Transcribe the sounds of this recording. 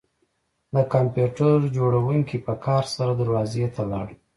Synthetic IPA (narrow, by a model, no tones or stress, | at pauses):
d̪əkampjuʈaɾd͡ʒoɽawuŋkipəkɑɾsaɾad̪əɾwɑzet̪alɑ̰ɽ